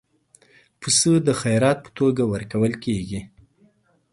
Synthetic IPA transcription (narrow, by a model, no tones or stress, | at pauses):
pəsəd̪əxajɾɑt̪̚pə̥t̪oɡawəɾkawəlkeɡi